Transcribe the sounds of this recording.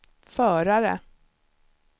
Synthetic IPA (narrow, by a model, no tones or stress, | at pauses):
fœːɾaɾə̰